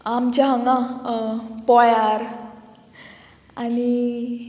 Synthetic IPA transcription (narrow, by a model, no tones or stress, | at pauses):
amt͡ɕaɦwna | pɔjaɾ | ani